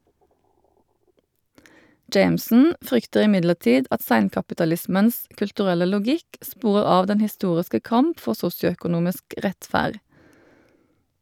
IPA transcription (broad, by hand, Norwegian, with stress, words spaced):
ˈd͡ʒeɪmsn̩ ˈfʁʏktəʁ ɪˈmɪdləʁˌtiːd ˈɑt ˈsæɪnkɑpɪtɑˌlɪsməns kʉltʉˈʁɛlə lʊˈɡɪk ˈspuːʁəʁ ˈɑːʋ ˈdɛn hɪˈstuːʁɪskə ˈkɑmp ˈfɔʁ ˈsʊsjʊœkʊˌnuːmɪsk ˈʁɛtˌfæːʁ